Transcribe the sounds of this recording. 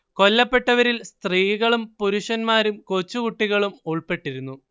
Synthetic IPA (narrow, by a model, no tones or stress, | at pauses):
ko̞lːɐpːe̞ʈːɐʋɐɾilst̪riːɣɐɭumpuɾuʂɐnmaːɾumkot͡ɕːukuʈːiɣɐɭumuɭpe̞ʈːiɾunːu